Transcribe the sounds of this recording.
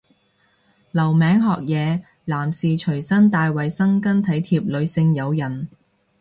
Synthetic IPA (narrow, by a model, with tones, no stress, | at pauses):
lɐ˨˩wmɛː˨˧ŋɦɔː˨˧k̚jɛː˨˧ | laː˨˩msiː˨t͡ʃʰɵ˨˩ɥsɐ˥nt̪aː˨˧jwɐ˨jsɐ˥ŋkɐ˥nt̪ʰɐ˨˥jt̪ʰiː˧p̚lɵ˨˧ɥsɪ˧ŋjɐ˨˧wjɐ˨˩n